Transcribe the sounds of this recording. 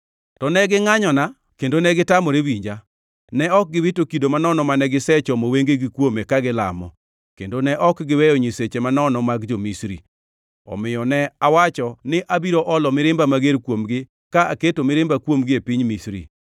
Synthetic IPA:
tɔnɛɡɪŋaɲɔna | kendonɛɡɪtamɔɾewiɲd͡ʒa | nɛɔk̚ɡɪwɪtokidomanɔnɔmanɛɡɪsɛt͡ʃɔmoweŋɡeɡɪkwomekaɡɪla̰mɔ̰ | kendonɛʔɔkɡɪwɛjɔɲiset͡ʃemanɔnɔmaɡd͡ʒomisɾḭ | ɔ̰mɪjɔnɛawat͡ʃɔnɪʔabiɾoʔɔlɔmɪɾɪmbamaɡeɾkwomɡɪ | kaʔaketomɪɾɪmbakwomɡɪepiɲmisɾḭ

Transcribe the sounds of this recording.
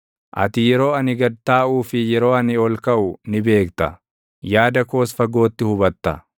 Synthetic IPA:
ʔɐ̰t̪ɪjɛɾo̞ːɐnɪɡɐd̪̚t̪aːʔuːfɪjɛɾo̞ːɐnɪɔlkɐʔʊnɪbe̞ːkt̪ɐ̰ | jaːd̪ɐko̞ːsfɐɡo̞ːt̪ːɪhʊbɐt̪ːɐ̰

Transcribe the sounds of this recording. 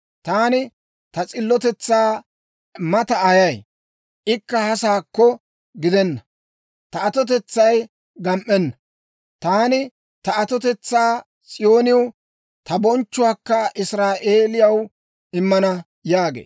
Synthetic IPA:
t̪aːnɪ | t̪ɐt͡sʼɪlːɔt̪ɛt͡sːaː | mɐt̪ɐɐjɐj | ʔɪkːɐhɐsaːkːɔ | ɡɪd̪ɛnːɐ | t̪ɐɐt̪ɔt̪ɛt͡sːɐj | ɡɐmʔɛnːɐ | t̪aːnɪ | t̪ɐɐt̪ɔt̪ɛt͡sːaː | t͡sʼɪjo̞ːnɪw | t̪ɐbɔnt͡ʃːʊwaːkːɐʔɪsɾaːʔeːlɪjɐw | ɪmːɐnɐ | jaːɡḛː

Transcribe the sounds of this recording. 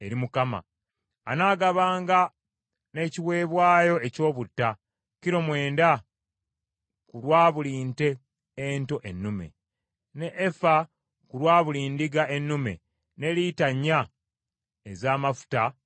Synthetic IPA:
e̞ɾimukama̰ː | naːɡaβaːŋɡa | ne̞ːciwe̞ːβwaːjo̞e̞co̞ːβutːa | ciɾo̞mwe̞ːnda | kulwaːβuliːnte̞ː | nto̞ʔe̞nːume̞̰ | ne̞ʔːfa | kuɾwaːβuliːndiɡaʔenːume̞̰ | ne̞litaɲːa | ezaːmafu̥ta

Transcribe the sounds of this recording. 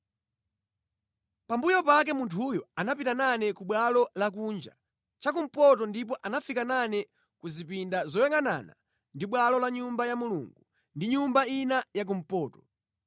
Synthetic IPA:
pambujɔpak̬ɛmuntʰujɔanapitananɛkuɓwalɔlak̬und͡ʒa̰ | t͡ʃak̬um̩pɔtɔndip̬ɔʔanafikananɛ | kuzipindazɔjɛŋɡana̰na̰ | ndiɓwalɔlaɲumbajamuluŋɡu | ndiɲumbainajak̬um̩pɔːtɔ̥

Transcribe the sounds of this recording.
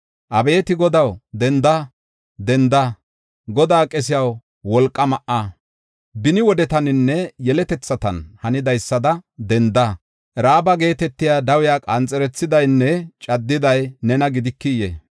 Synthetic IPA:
ʔɐbe̞ːt̪ɪɡɔd̪ɐwd̪ɛnd̪ɐ | d̪ɛnd̪a | ɡɔd̪aːkʼɛs̬ɪjɐw | wɔlkʼːɐmɐʔaː | bɪnɪwɔd̪ɛt̪ɐnɪnːɛjɛlɛt̪ɛt͡sːɐt̪ɐ̰nhɐnɪd̪ɐjsːɐd̪ɐd̪ɛnd̪ɐ | ʔɛɾaːbɐɡe̞ːt̪ɛt̪ːɪjaːd̪ɐwɪjaːkʼɐnt͡sʼɛɾɛt͡sːɪd̪ɐjnːɛt͡ʃʼɐd̪ːɪd̪ɐjnɛnɐɡɪd̪ɪkːɪjḛ

